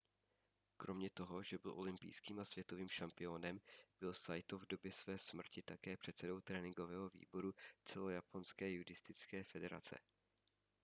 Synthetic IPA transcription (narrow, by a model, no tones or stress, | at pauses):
kɾʔo̞mɲɛt̪o̞ɦo̞ʒɛbɪlʔo̞̰lɪmpḭjskiːmasv̥jɛt̪o̞viːmʃampɪo̞nɛmb̥ɪlsajt̪ovdo̞bjɛsvɛːsmr̩cɪt̪akɛːpr̝̥ɛt̪sɛdo̞wt̪ɾɛːnɪŋɡo̞vɛːɦo̞vḭːbo̞ɾut͡sɛlo̞japo̞nskɛːjudɪst̪ɪt͡skɛːfɛdɛɾa̰t͡sɛ̰